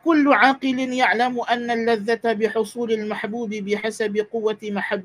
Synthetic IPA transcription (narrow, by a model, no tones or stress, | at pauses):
kʊlːʊʕaːqɨlɪnjaʕlamʔanːalːaðːat̪abɪħʊsˤuːlalmaħbuːbɪbɪħasabɪqʊwːamaħabː